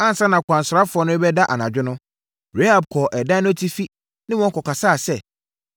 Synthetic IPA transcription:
ã˦n˨sã˦nã˨kʷʰã˨nsʊ˨ɾa˦fʊ˨˦ɔ˦nʊ̃˦ɛ˦bɛ˦da˦ʔa̰˨nã˨d͡ʑᶣɪ˦nʊ̃˦ | ɾe˦a˨b̚kʰɔ˨ʔɛ˨dã˦nʊ̃˦tʰi˦fi˦ | nɪ̃˦wɔ̃˦ŋ˦kɔ˨ka˨saː˦˨sɛ˦˨

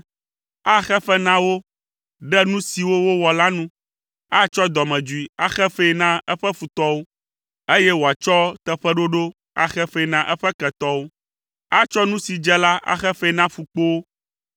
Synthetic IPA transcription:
a˦xɛ˦ɸɛ˦nã˦wo˦ | ɖɛ˦nũ˦si˨wo˦wo˦wɔ˨la˦nũ˦ | a˦t͡ʃɔ˦d̪ɔ˨mɛ̃˨d͡ʒu˨i˨a˦xɛ˦fe˦i˦nã˦ɛ˦ɸɛ˦fu˨t̪ɔ˦wo˦ | e˦jɛ˦wo˨a˨t͡ʃɔ˦t̪ɛ˦ɸɛ˦ɖo˦ɖo˦ | a̰˦xɛ˦ɸe˦i˦nã˦ʔɛ˦ɸɛ˦kɛ˨t̪ɔ˦wo˦ | a˦t͡ʃɔ˦nũ˦si˨d͡ʒɛ˦la˦ʔa̰˦xɛ˦fe˦˨nã˦fu˨k͡po˦wo˦

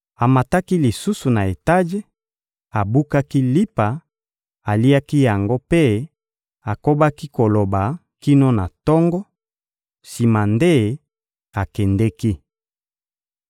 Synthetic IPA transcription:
a˨ma˨ta˦ki˦li˨su˦su˨na˨e˨ta˦ʒe˦ | a˨bu˦ka˦ki˦li˦pa˨ | a˨li˦a˦ki˦ja˨ŋɡo˦pe˦ | a˨ko˦ba˦ki˦ko˨lo˨ba˨ | ki˦no˦na˨tɔ˦ŋɡɔ˦ | si˨ma˨nde˦ | a˨kɛ˨ndɛ˦ki˦

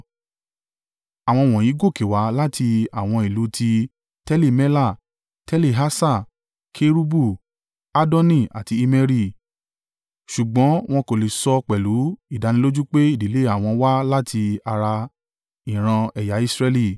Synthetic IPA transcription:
a˨w̃ɔ̃˧˨w̃ɔ̃˨jĩ˨˦ɡo˦˨ke˨wa˨˦la˦tʰi˧a˨w̃ɔ̃˧i˨lu˨˦tʰi˧ | tɛ˦le˦˨mɛ˦la˦˨ | tɛ˦le˦˨ɦa˦sa˦˨ | kʰe˦ɾu˦bu˦˨ | a˦dɔ̃˦nĩ˦˨a̰˨ti˧i˦˧mɛ˧ɾi˦˨ | ʃu˨ɡ͡bɔ̃˨˦w̃ɔ̃˦ko˨le˨sɔ˧k͡pɛ˨lu˨˦i˦˨da˨˦nĩ˧˦lo˦d͡ʒu˦k͡pe˦i˦˨di˨˦le˦a˦˨w̃ɔ̃˧wa˦la˦tʰi˧a˧ɾa˧ | ĩ˨ɾ̃ã˧ɛ˨ja˨˦i˦˧sɾɛ˧li˦˨

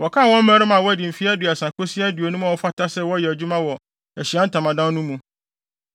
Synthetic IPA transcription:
wɔ˨kʰa˦˨wɔ̃˦m̩˦mɛ̃˦ɾɪ˦mã˨wɔ˦æ˦dɪ˨m̩˨fi˦æ˦du˨a˨sã˨ko˦si˦æ˦du˨o˨nũ˦mã˨wɔ˦fa˦ta˦sɛ˦wɔ˦jɛ˨æ˨d͡ʑu˦mã˦wɔ˨ | æ˨ɕi˨a˦n̩˦tʰã˨mã˨dã˦nnũ˦mũ˨

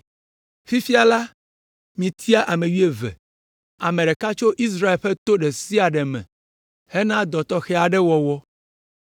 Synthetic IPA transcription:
fi˦fi˦a˨la˦ | mĩ˨t̪ʰi˦a˦ʔa˨mẽ˨ɥi˦e˨vɛ̰˨ | a˨mẽ˨ɖe˨ka˦t͡ʃo˦ʔi˦s̬ɾa˦e˨lɸɛ˦t̪o˦ɖe˨si˦a˨ɖɛ˨mɛ̰̃˨ | hɛ˦nã˦d̪ɔ˨t̪ɔ˦xɛ˦a˨ɖɛ˦wɔ˨wɔ˦

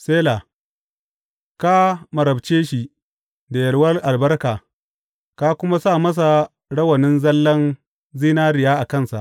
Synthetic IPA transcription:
seː˦la˨ | ka˦mɐ˨ɾɐ˨bt͡ʃeː˦ʃi˨ | da˨jɐ˨lwɐ˦rʔa˨lbɐ˦rkaː˨ | ka˦kʷʊ˦ma˦saː˦˨mɐ˦s̬a˨ | ɽɐ˦wɐ˨nɪ˦nzɐ˦lːɐ˦n | ziː˦naː˦ɾɪ˨jaː˦ʔa˨kɐ˦˨nsa˨ʔ

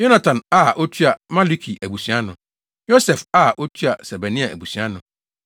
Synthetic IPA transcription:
jo˦nã˨tʰã˨na˦˨ʔo˦tʰu˦a˨mã˦li˦kʰi˨ʔæ˨bu˨sɥ̃a˦nʊ̃˨ | jo˦sɛ˨fa˦˨ʔo˦tʰu˦a˨sɛ˨ba˨nĩ˦a˨ʔæ̰˨bu˨sɥa˦nʊ̃˨

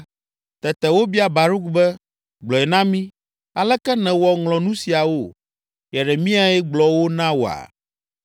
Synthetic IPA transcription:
t̪ɛ˨t̪ɛ˨wo˦bi˦a˨ba˨ɾu˦k̚bɛ˦ | ɡ͡blɔ˨ɛ˨nã˦mĩ˦ | a˨lɛ˦kɛ˦nɛ̃˨wɔ˨ŋlɔ̃˨nũ˦si˨a˨wo˦˨ | jɛ˨ɖɛ˨mĩ˦a˦ɛ˦ɡ͡blɔ˨wo˦nã˦wo˨a̰˨

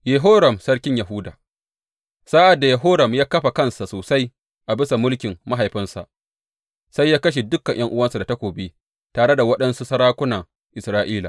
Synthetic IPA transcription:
je˨ɦoː˦ɾɐ˨msɐ˦ɽkʲɪ˦ɲjɐ˨ɦʊ˦daː˨ | saː˦ʔa˨dːa˨jɐ˨ɦoː˦ɾɐ˨mjaː˦kɐ˦ɸa˨kɐ˦nsa˨soː˨sa˦j | ʔa˨bɪ˦sa˨mʊ˦lkʲɪ˨mːa˦ɦa˨jɸɪ˦nsa˨ʔ | sa˦jːaː˦kɐ˦ʃ̬e˨dʊ˦kːɐ˨ʔj̰ɐ˦ŋʔʊ˦wɐ˦nsa˨da˨ta˦kʷoː˨beː˦ | taː˨ɽe˦da˨wɐ˦ɗɐ˦nsu˦sɐ˦ɽaː˦kʷʊ˦naː˨ | ʔɪ˨sɾaː˦ʔiː˦la̰˨

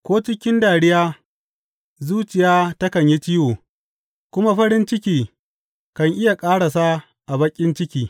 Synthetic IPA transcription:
kʷoː˦t͡ʃɪ˦kʲɪ˦ndaː˨ɽɪ˦jaː˦ | zuː˦t͡ʃɪ˨jaː˦ta˦kɐ˨ɲji˦t͡ʃiː˦woː˨ | kʷʊ˦ma˦ɸɐ˦ɽɪ˦nt͡ʃɪ˦kʲiː˦ | kɐ˨ŋʔɪ˦ja˨kʼaː˦ɽa˨sa˦ | ʔa˨bɐ˦kʲʼːɪ˦nt͡ʃɪ˦kʲiː˦

